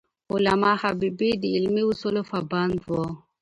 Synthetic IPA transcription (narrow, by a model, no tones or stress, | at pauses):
ʊlamɑhabibid̪əɪlmiusulofaband̪wo